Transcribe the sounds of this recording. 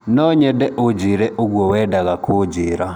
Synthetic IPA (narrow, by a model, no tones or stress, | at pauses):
nɔɲɛdɛʔod͡ʒiɾɛʔoɣwɔwɛːdaɣakʰod͡ʒiɾa